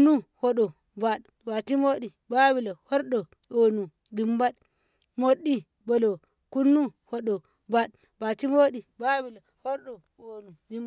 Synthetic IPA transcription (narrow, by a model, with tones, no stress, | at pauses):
nːu˦ho˦ɗɔ˨ | ba˨ɗ | ba˨ti˦mo˦ɗi˨ba˦bi˨le˨hɔ˦ɾɗɔ˨ | o˨nu˨ | bi˨mba˦ɗ | mo˦ɗːi˦ | bo˨lo˨ | ku˦nːu˦ho˦ɗɔ˨ | ba˦ɗ | ba˨ti˦mo˦ɗi˨ba˦bi˨la˨hɔ˦ɾɗɔ˨ | o˨nu˨bi˦m